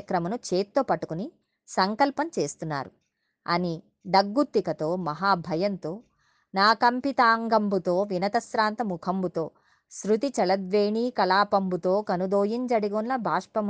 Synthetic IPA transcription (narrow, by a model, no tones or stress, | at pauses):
ɐkɾɐmɐnut͡ʃeːt̪ːoːpɐʈːu̥kuni | sɐŋkɐlpɐmt͡ʃe̞ːst̪unːa̰ːɾu | ɐ̰ni | ɖ̪ɐɡːut̪ːikɐt̪o̞ːmɐɦaːbʱɐjɐnt̪o̞ː | naːkɐmpit̪aːŋɡɐmbut̪o̞ːʋinɐt̪ɐsɾaːnt̪ɐmukʰɐmbut̪o̞ː | sɾut̪it͡ʃɐlɐd̪ʋeːɳiːkɐlaːpɐmbut̪o̞ːkɐnud̪oːjind͡ʒɐɽiɡonlɐbʱaːʂpɐm